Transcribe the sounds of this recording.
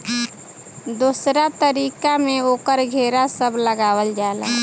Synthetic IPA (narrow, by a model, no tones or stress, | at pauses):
d̪uːsɾat̪əɾiːkamẽoːkəɾɡʱeːɾasəbləɡaːwəld͡ʒaːla̰ː